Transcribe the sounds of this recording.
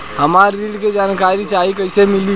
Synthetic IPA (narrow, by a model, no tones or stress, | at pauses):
həmaɾːiɽked͡ʒankaɾit͡ʃaɦikəɪsemili